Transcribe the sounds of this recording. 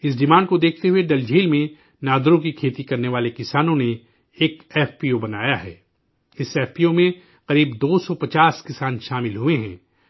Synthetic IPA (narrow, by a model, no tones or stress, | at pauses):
ɪs̬ɖɪmãːnɖkod̪eːkʰt̪eɦʊeɖɐld͡ʒʱiːlmẽ | naːd̪ɾõk̬ikʰeːt̪ikɐɾneʋaːlekɪsaːnõneː | kɛːfpiːobɐnaːjaɦɛ̰ː | ɪsɛːfpiːjomẽ | qɐɾiːbd̪oːsɔpɐt͡ʃaːskɪsaːnʃaːmɪlɦʊeɦɛ̰̃ː